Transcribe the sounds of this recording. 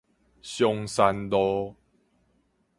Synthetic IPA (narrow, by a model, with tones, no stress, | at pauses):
ɕjɔ˧ŋsa˧nd̪ɔ˦